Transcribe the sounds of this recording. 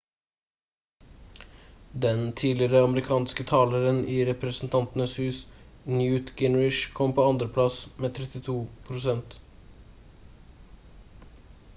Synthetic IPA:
d̪ɛnt̪ʰiːlɪɾəɑməɾɪkʰɑːnskət̪ʰɑːləɾəniːɾɛpɾəsn̩t̪ʰɑnt̪n̩əshʉːsnjʉːt̪ɡɪnɹɪʃkʰɔmpʰoːɑnd̪ɾəpʰlɑsmeːt̪ʰɾɛt̪ɪt̪ʰuːpʰɾʊsɛnt̪

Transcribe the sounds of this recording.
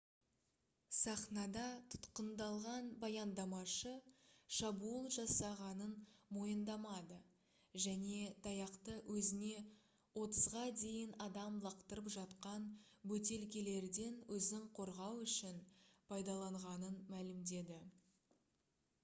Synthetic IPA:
sɑχnɑd̪ɑt̪ʰʊ̥t̪qənd̪ɑlˠʁɑnbɑjɑnd̪ɑmɑʃəʃɑbuəlˠʒɑsɑʁɑnənmo̞jənd̪ɑmɑd̪ə | ʒæne̞t̪ʰɑjɑqt̪əwʔɵzɪne̞ | wo̞t̪əzʁɑd̪e̞jɪnɑd̪ɑmlˠɑqt̪əɾəpʒɑt̪qɑnbɵt̪e̞lkʲele̞ɾd̪e̞nwɵzɪɴqʰo̞ɾʁɑwʏʃɪnpʰɑjd̪ɑlˠɑɴʁɑnənmælɪmd̪e̞d̪ɪ

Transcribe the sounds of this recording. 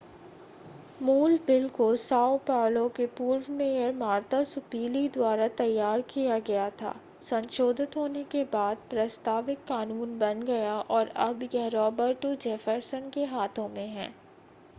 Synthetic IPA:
muːlbɪlkosaːwpaːlõkepuːɾwmẽjmaːɾt̪asʊpiːlid̪waːɾat̪ɐjːaːɾkijaɡɐjat̪ʰa̰ː | sɐ̃nʃoːd̪ʱɪt̪ɦoːnekebaːd̪̚pɾɐst̪aːʋɪkːaːnuːnbɐnɡɐjaʔɔːɾɐbjɐɦɾɔːbəɾʈod͡ʒɛːfəɾsənkeɦaːt̪ʰõmẽɦɛ̃ː

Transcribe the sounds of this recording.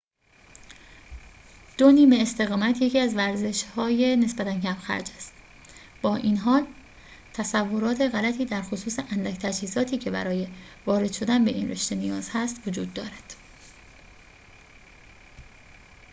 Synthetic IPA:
d̪̥o̞niːme̞ːst̪e̞ɣɒːmæt̪ʰje̞ciːæzvæɾze̞ʃhɒːje̞ne̞sbæt̪æncʰæmxæ̰ɾd͡ʒæst̪ | b̥ɒːʔinɦɒːl | t̪ʰæsævːo̞ɾɒːt̪ʰe̞ɣælæt̪ʰiːd̪æɾxosuːseʔænd̪ækt̪ʰæd͡ʒhiːzɒːt̪ʰiːcʰe̞bæ̰ɾɒːje̞ | vɒːɾe̞d̪̥ʃo̞d̪ænbe̞ʔḭnre̞̰ʃt̪e̞nijɒːz̥hæst̪vod͡ʒuːd̪ːɒːɾæd̪̥

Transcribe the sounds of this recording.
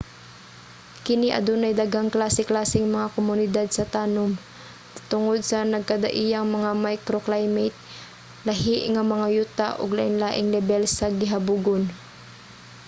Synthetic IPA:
kɪniʔɐ̰d̪uːnajd̪aɡhaŋklaːsɪklaːsɪŋmɐŋakomʊnɪd̪ad̪̚sɐt̪aːnom | t̪ʊŋod̪̚sɐnɐɡ̚kɐd̪a̰ʔijaŋmɐŋamajkɾoklajmɛt̪̚ | lɐɦɪʔŋamɐŋajut̪aʔʊ̰ɡlaʔɪŋlaːʔɪŋlɛbɛlsɐɡɪɦabuɡon

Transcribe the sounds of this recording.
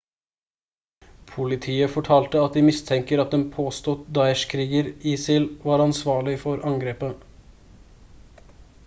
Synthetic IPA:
pʰʊlɪt̪ʰiːəfɔʈʰɑːlt̪əɑt̪̚d̪iːmɪst̪ʰɛŋkəɾɑt̪̚d̪ɛnpʰoːst̪ut̪d̪ɑɪɛʃkʰɾiːɡəɾiːsɪlʋɑːɾɑnsʋɑːɭɪfɔɾʔɑŋɡɾeːpə

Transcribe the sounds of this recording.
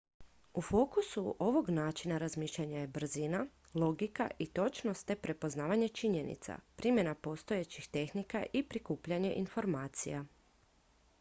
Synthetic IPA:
ufo̞ːkusuʔo̞ʋo̞ɡnaːt͡ʃinaɾazmiːʃʎaɲaje̞br̩zina | lˠo̞ɡika̰ʔit̪o̞t͡ʃnost̪e̞pɾe̞po̞znaːʋaɲe̞t͡ʃiɲe̞nḭt̪sa̰pɾimje̞napo̞st̪o̞jet͡ɕixt̪e̞xnika̰ʔipɾikuːpʎaɲe̞ʔinfo̞ɾmaːt̪sḭja

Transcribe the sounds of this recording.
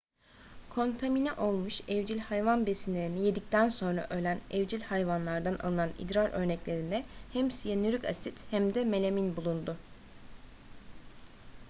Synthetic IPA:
kʰo̞nt̪ʰaminɛʔo̞lˠmuʃɛvd͡ʒilʲhajvanbe̞sinlʲe̞ɾinije̞d̪ic̚t̪ʰænso̞nɾa̰ʔølʲænɛvd͡ʒilʲhajvanlˠaɾd̪ana̰lˠɯnanḭd̪ɾaɾʔø̞̰ɾnɛclʲe̞ɾind̪ɛhɛmsijanyɾykasit̪hæmd̪ɛme̞lʲeminbulˠund̪ʊ

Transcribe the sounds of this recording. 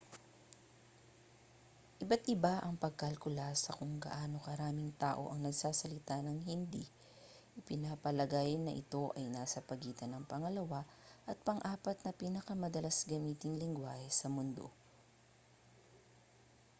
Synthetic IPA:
ʔɪbat̪ʔɪbaʔɐŋpɐɡ̚kɐlkʊlasɐkʊŋɡɐ̰ʔaːno̞kɐɾaːmɪŋt̪aːʔo̞̰ʔɐŋnɐɡsaːsɐlɪt̪anɐŋɦɪnd̪i | ʔɪpɪnapɐlɐɡaːjɪnːɐʔɪ̰t̪o̞ʔɐjnaːsɐpɐɡiːt̪ɐnɐŋpɐŋɐlɐwaʔɐt̪̚pɐŋʔaːpɐt̪̚nɐpiːnɐkɐmɐd̪ɐlasɡɐmiːt̪ɪŋlɪŋɡwaːhɛsɐmʊnd̪o̞̰

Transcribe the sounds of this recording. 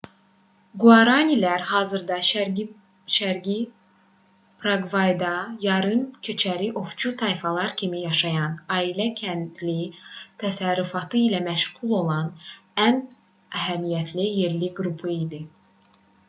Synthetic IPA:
ɡuɑɾɑnilæɾhɑːzɯɾd̪ɑ | ʃæɾɡi | pɾaɡvɑjd̪ɑjɑɾɯmcʰø̞t͡ʃʰæɾiʔo̞ft͡ʃʰut̪ʰɑjfɑlˠɑɾcʰimijɑʃɑjɑnɑːilæcʰænd̪lit̪ʰæsæɾufɑt̪ʰɯilæmæʃɣulˠo̞lˠɑnæn | æɦæmijæt̪ʰlijeɾliɡɾupʰɯid̪i

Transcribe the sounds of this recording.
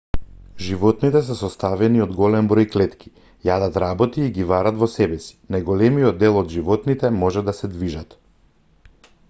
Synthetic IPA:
ʒivɔt̪nit̪ɛs̬ɛsɔst̪avɛniɔd̪ɡɔlɛmbɾɔjklɛt̪ki̥ | jad̪at̪ɾabɔt̪iːɡibaɾat̪vɔsɛbɛsi̥najɡɔlɛmijɔd̪ːɛlˠɔd̪ʒivɔt̪nit̪ɛmɔʒɛd̪asɛd̪viʒat̪

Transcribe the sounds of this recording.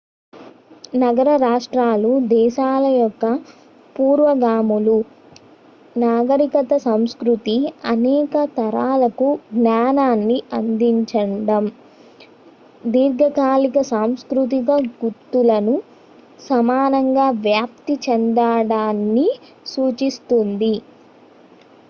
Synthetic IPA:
nɐɡɐɾɐɾaːʂʈɾaːlud̪ɛːʃaːlɐjɔkːɐ | puːɾʋɐɡaːmulu | naːɡɐɾikɐt̪ɐsɐmskɾut̪iɐnɛːkɐt̪ɐɾaːlɐkuɡnaːnaːnːiɐnd̪iɲt͡ʃɐɳɖɐm | d̪iːɾɡʱɐkaːlikɐsaːmskɾut̪̬iɡɐɡut̪ːulɐnu | sɐmaːnɐŋɡaːʋjaːp̚t̪it͡ʃɛnd̪aːɽaːnːi | suːt͡ʃist̪und̪i

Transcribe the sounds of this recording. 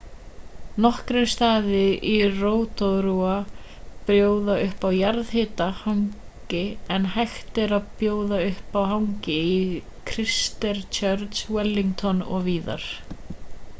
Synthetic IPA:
nɔhkɾɪmst̪aːðɪiroːwt̪ɔðɾua | pɾjoːwðaʏhpawjaɾðhɪːt̪ahawŋ | cɪɛnhajxt̪ɪɾaðpjoːwðaʏhpawɦawŋcɪi | kʰɾɪst̪ɛɾt͡ʃʰœɾt̪swɛlːiŋkt̪ʰɔnɔ̰ɣviːða̰ɾ̥

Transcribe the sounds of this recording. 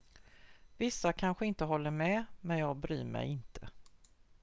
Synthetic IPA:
vɪsːakʰanɧəɪnt̪əɦɔlːəɾmɛmɛnjɑːɡ̚bɾy̰ːɾmɛ̰jɪnt̪ʰə

